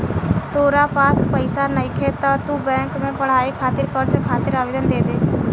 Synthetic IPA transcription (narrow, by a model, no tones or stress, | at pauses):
t̪oːɾapaːspəɪsanəɪkʰet̪at̪ubɛ̃ːŋkmẽpəɽ̤aːikʰaːt̪ɪɾkəɾt͡ʃkʰaːt̪ɪɾaːʋeːd̪ənd̪eːd̪eː